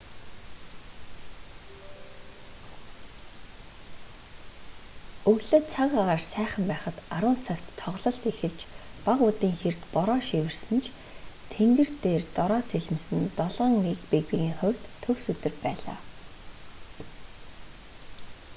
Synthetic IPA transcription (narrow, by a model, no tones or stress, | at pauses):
ɵɣɮŏːt͡sʰaɣaʁaːrsæːχə̆mpæːχə̆t̪aɾʊːn̥t͡sʰakt̪ʰːɔʁɮɞ̆ɬt̪ixɘ̆ɮt͡ɕpaʁʊt̪iːŋxert̪pɔɾɔːʃiwɘ̆rsɘ̆nt͡ɕʰ | t̪ʰeŋɡɘ̆r̥t̪eːrt̪ɔɾɔːt͡sʰeɮɘ̆msɘ̆nt̪ɔɮʁə̆ŋmekpekpiɣiːŋχʊwʲt̪ʰːɵwsɵt̪ɵ̆rpæːɮa̰ː